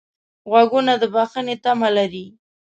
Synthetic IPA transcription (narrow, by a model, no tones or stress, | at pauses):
ɣwaɡunad̪əbaxənet̪amalaɾi